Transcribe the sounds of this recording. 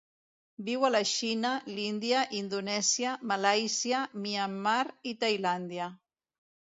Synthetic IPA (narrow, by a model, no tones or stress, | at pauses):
biwəlaʃinəlind̪iaʔind̪unɛzjamalajsiamiamːaɾit̪ajland̪ia